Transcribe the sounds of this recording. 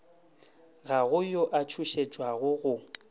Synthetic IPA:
ɣaɣʊjoʔat͡ʃʰuʃet͡ʃʼwaɣʊɣʊ

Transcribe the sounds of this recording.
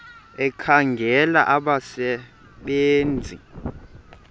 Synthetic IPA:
ɛkʰaŋɡʱɛla̰ʔaɓasɛ | ɓeːnd͡zʱḭ

